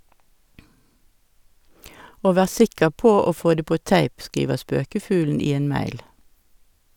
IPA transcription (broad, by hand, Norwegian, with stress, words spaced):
ˈoː ˈʋæːʁ ˈsɪkəʁ ˈpoː ˈoː ˈfoː ˈdeː ˈpoː ˈtæɪp ˈskiːʋəʁ ˈspøːkəˌfʉːln̩ ˈiː ˈeːn ˈmæɪl